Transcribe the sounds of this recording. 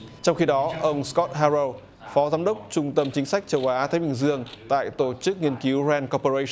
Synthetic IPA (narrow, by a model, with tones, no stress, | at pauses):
t͡ɕɔ˧wŋ͡mxi˧ɗɔ˨˦ʔə˧wŋ͡mskɔ˦˥t̚haː˧zə˧w | fɔ˨˦zaː˨˦mɗə˦˥wk͡p̚t͡ɕʊ˧ŋ͡mt̪ə˧mt͡ɕï˨˦ŋ̟sa˦˥jk̟̚t͡ɕə˧wʔaː˨˦t̪ʰaː˨˦jɓï˨˩ŋ̟zɨ˧əŋt̪a̰ː˧˨jt̪o˧˩t͡ɕɨ˦˥k̚ŋi˧ənki˨˦wzɛ˧nkɔ˧po˧ɹə˧j